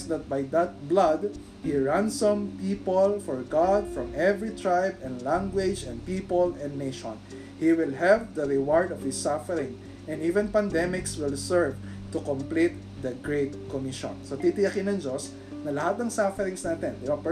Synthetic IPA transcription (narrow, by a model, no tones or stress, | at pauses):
sd̪ɐt̪̚bajd̪ɐt̪̚blad̪ | hiɹãnsɐ̃mpipɔlfɔɹɡad̪fɹɔ̃mʔɛvɹit̪ɹajbɛ̃nlãŋɡwɪd͡ʒɛ̃n̚pipɔlɛ̃nːeʃɔ̰̃n | hiwɪlɦɛvd̪ɐɹɪwaɹd̪ɔv̥hɪsːafɛɾɪ̃ŋ | ʔɛ̃nivɛ̃npɐnd̪ɛmɪkswɪlsɛɹv | t̪ʊkɔmplit̪̚ | d̪ɐɡɹet̪̚kɔmɪʃɔ̰̃nsot̪it̪ɪɐkɪnɐ̃ŋd͡ʒos | nɐlɐhat̪̚nɐŋsafɛɾɪ̃ŋsnaːt̪ɛnd̪ɪbɐp